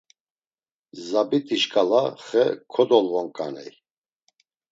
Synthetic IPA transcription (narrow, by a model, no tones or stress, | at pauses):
zabit̪ʼiʃkʼalaχɛkʰɔd̪ɔlvɔŋkʼa̰nɛ̰j